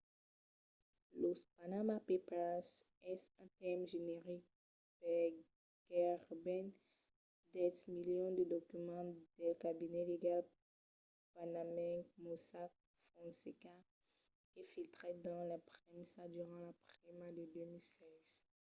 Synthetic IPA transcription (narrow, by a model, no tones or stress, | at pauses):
lospanamapepɛsɛsɛ̃t̪ɛʁmʒeneʁik̚ | pɛ | ɡ̥ɛʁbɛn | d̪ɛt̪miljɔ̃d̪əd̪ɔkymɑ̃d̪ɛkabinɛleɡal | panamɛ̃kmosak̚ | fɔ̃seka | kefilt̪χɛd̪ɑ̃lapχemisaʒd̪yʁɑ̃lapχimad̪əd̪ømilsɛz̥